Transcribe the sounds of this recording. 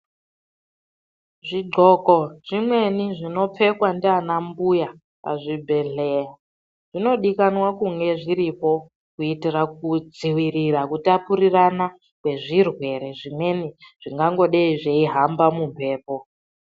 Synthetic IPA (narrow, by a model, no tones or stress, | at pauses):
ʐiɡ͡ǃʱokoʐ̥imwe̞niʐino̞p͡fe̞kwandianambuja | pa̰ʐibʱe̞ɮeja | ʐ̥ino̞ɗikanwakuŋɡe̞ʐiɾipo̞ | kuitirak̚ud͡ziwirirakutapurirana | kwe̞ʐirwe̞ɾe̞ʐimwe̞niʐ̥iŋɡaŋɡo̞ɗeiʐeiɦambamumpʰe̞ːpo